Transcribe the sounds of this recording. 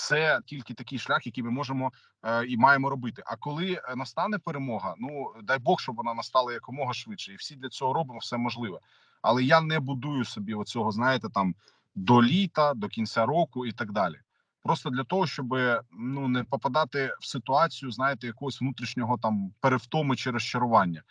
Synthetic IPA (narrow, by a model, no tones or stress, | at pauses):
t̪sɛtʲilʲkɪt̪ɐkʲɪjʃlʲaxjɐkʲijmɪmɔʒemɔ | imɑjemɔɾɔbɪt̪ɪʔɐkɔlˠɪnɐst̪ɑnɛpeɾemɔɦɐnud̪ɑjbɔxʃt͡ʃɔbʋɔnɑnɐst̪ɑlˠɐjɐkɔmɔɦɐʃʋɪdʃɛiwsʲid̪lʲɐt͡sʲɔɦɔɾɔbɪmɔwsɛmɔʒlˠɪʋɛ | ɐ̰lˠɛjanɛbʊd̪ujʊsɔbʲiɔt͡sʲɔɦɔznɑjɪt̪ɛt̪ɑm | d̪ɔlʲit̪ɐd̪ɔkʲinʲt͡sʲaɾɔkʊit̪ɐɡd̪ɑlʲḭ | pɾɔst̪ɔd̪lʲɐt̪ɔɦɔʃt͡ʃɔbɪnunɛpɔpɐd̪ɑt̪ɪwsɪt̪ʊɑt͡sʲijʊznɑjɪt̪ɛjɐkɔɦɔsʲʋnut̪ɾʲiʃnʲɔɦɔt̪ɑmpeɾeft̪ɔmʊt͡ʃɪɾɔst͡ʃɐɾʊʋɑnʲːɐ